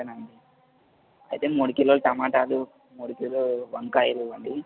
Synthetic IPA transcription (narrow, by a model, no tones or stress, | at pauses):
ɐnaɳɖi | ɐjt̪eːmuːɽukilːolt̪ɐmaːʈaːlu | muːɽukilloʋɐŋkaːjɐluʋɐɳɖi